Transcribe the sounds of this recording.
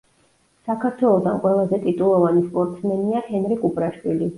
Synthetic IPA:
sakʰaɾt̪ʰwɛlˠɔd̪anqʼwɛlˠazɛt̪ʼit̪ʼulˠɔvanispʼɔɾt̪ʼsmɛniahɛnɾikʼupʼɾaʃwili

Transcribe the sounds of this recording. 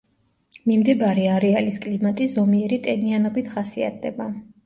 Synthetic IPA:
mimd̪ɛbaɾɛaɾɛaliskʼlimat̪ʼizɔmiɛɾit̪ʼɛnianɔbit̪ʰχasia̰t̪̚ʰd̪ɛba

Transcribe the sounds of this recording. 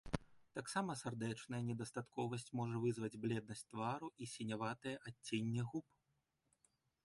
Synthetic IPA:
t̪aksamɐsard̪ɛt͡ʂnɐjɐnʲɛd̪ɐst̪at̪kɔvɐsʲt͡sʲmɔʐɐvɨzvɐd͡zʲblʲɛd̪̚nɐsʲt̚ʲt̪vaɾuʔisʲɛnʲavat̪ɐjɛʔatʲːenʲːɛɣup

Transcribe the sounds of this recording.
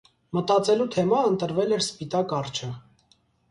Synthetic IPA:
mət̪ɑt͡sɛlut̪ʰɛmɑənt̪əɾvɛlɛɾspit̪ɑkɑrt͡ʃʰə

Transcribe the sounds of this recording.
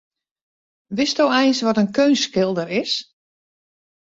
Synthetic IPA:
ʋɪstowɛjnsʋɔtənkʰøːnskɪlˠdəɾɪs

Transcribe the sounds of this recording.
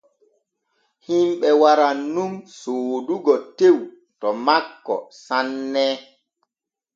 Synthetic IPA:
himɓɛwaɾanːumsoːduɡɔtew | tɔmakːɔ̰sanːɛ

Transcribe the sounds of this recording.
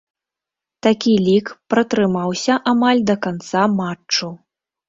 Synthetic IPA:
t̪akʲilʲikpɾɐt̪ɾɨmawsʲɐʔamalʲd̪ɐkant̪samat͡ʂːu

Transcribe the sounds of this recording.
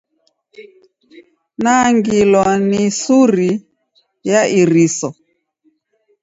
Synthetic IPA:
naŋɡilɔnisuɾi | jaʔiɾisɔ

